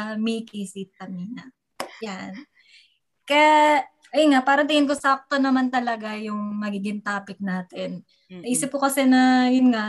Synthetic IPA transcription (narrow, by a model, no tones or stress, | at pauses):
mikisit̪ɐmiːnɐ | jan | kɐja | ʔɛŋaʔpaːɾɐt̪ɐhɪnk̬osak̚t̪onɐmant̪ɐlɐɡajʊŋmɐɡiːɡɪnt̪aːpɪk̚naːt̪ɪnː | ɐʔiːsɪphʊkɐsɛnɐjʊnŋa